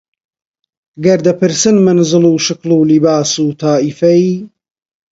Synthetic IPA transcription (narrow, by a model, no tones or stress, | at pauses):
ɡɐɾd̪ɐpʰɨɾsɨnmɨnɨzɨluːʃɨkluːlibaːsuːt̪ʰaːifɐi